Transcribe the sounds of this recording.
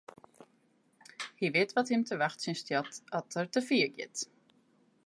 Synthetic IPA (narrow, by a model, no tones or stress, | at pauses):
hivɪːt̪vaðhɪmt̪ʰɪlvaxt̪sinst̪jat̪at̪ʰaɾ̥t̪ʰɪlfiəcɛ̰ːt̪